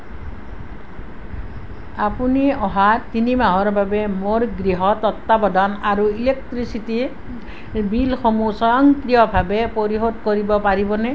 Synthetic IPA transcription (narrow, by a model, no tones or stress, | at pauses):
apuniɔɦat̪inimaɦɔɹbʱabɛmoɹɡɹiɦɔt̪ɔt̪ːabɔdʱɔnaɹuilek̚tɹisiti | bilxomusɔjɔŋkɾijɔbʱabɛpoɹiɦodkoɹibɔpaɹibɔnɛ